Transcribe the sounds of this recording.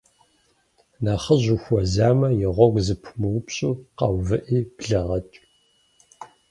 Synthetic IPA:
naːχəʑuxʷɔzaːmɐjɪʁʷɔɡʷzɨpʰmɨwpʰɕʼuːqɑwvɨʔiːbɮɐʁɐtʼ

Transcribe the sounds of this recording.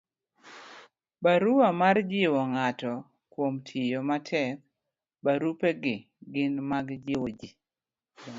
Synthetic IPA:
baɾuwamard͡ʒɪwɔŋatɔ | kwomtʰɪjomatʰɛk̚ | baɾupeɡɪ | ɡɪnmaɡd͡ʒɪwod͡ʒi

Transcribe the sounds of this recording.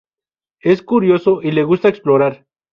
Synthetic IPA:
eskuɾjosoʔileɣust̪aeksploɾaɾ

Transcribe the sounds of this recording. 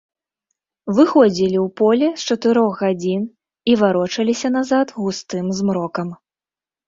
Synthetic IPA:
vɨxɔd͡zʲilʲiwpɔlʲɛst͡ʂɐt̪ɨɾɔɣɣad͡zʲin | ivaɾɔt͡ʂɐlʲisʲɐnazat̪ɣust̪ɨmzmɾɔkɐm

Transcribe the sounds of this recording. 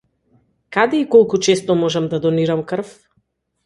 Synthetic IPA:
kad̪ɛikɔlˠkut͡ʃɛst̪ɔmɔʒɛmd̪ad̪ɔniɾamkr̩f

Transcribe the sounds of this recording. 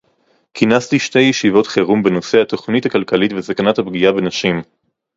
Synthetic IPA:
kʰinastiʃte̞jːeʃivo̞tχeʁumbeno̞se̞hat̪o̞χnithakalkalitvesakanathabɡiabe̞naʃim

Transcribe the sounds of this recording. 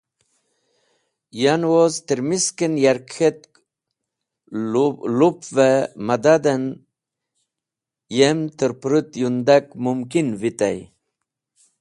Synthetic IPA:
janozt̪əɾmiskənjaɾkʰet̪ | lupvemad̪ad̪ən | jemt̪əɾpɾut̪jund̪akmumkinvit̪a̰j

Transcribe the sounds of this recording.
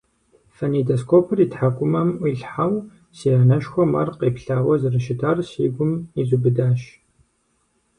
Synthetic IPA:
fɐnidoskʰoːpʰɨriːtħakʷʼʊmɐmʔʷiɬħaw | siːanɐʃxʷɔmɐrqeːpɬaːwɐzɨrɨʃɪtʰaːrsiːɡʷʊmizubɨdaːʃ

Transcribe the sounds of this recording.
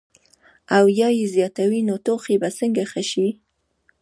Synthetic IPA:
awjɑjezjɑt̪awinot̪oxebasəŋɡaxəʃi

